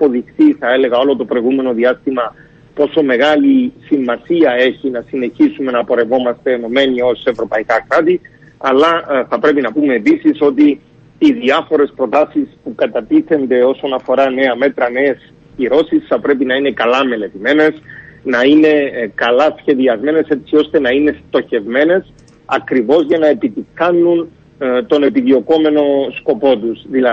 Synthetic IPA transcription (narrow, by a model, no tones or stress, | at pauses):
po̞ðixt̪iθɐe̞le̞ɣɐo̞lo̞t̪o̞pɾ̞jɣume̞no̞ðiɐst̪imɐ | po̞so̞me̞ɣɐlisimːɐsiɐe̞çinɐsine̞çisume̞nɐpo̞ɾe̞vo̞mɐst̪e̞ːno̞me̞niose̞vɾo̞pɐikɐkɾat̪i | ɐlːɐθɐpɾe̞pinɐpume̞ːpisiso̞t̪iː | ðiɐfo̞ɾe̞spɾo̞t̪ɐsispukɐt̪ɐt̪iθe̞nd̪e̞o̞so̞nɐfo̞ɾɐne̞ɐme̞t̪ɾɐne̞ːs | ciɾo̞sisθɐpɾe̞pinɐine̞kɐlɐme̞le̞t̪ime̞ne̞snɐine̞kɐlɐsçe̞ðiɐzme̞ne̞se̞t̪sio̞st̪e̞nɐine̞st̪o̞çe̞vme̞ne̞s | ɐ̰kɾivo̞zʝɐnɐe̞pit̪iθɐnːun | t̪o̞ne̞piðio̞ko̞me̞no̞sko̞po̞t̪uzðilɐ